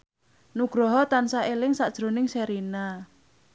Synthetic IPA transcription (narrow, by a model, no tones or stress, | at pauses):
nuɡ̥ɾɔɦɔt̪ansaʔelɪŋsad̥ʒ̥ɾonɪŋseɾina